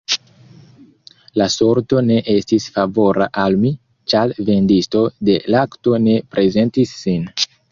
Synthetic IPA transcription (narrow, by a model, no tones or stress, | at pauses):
laso̞ɾto̞ne̞ʔe̞stisfavo̞ɾa̰ʔalmi | t͡ʃalve̞ndisto̞de̞lakto̞ne̞pɾʔe̞ze̞ntisːin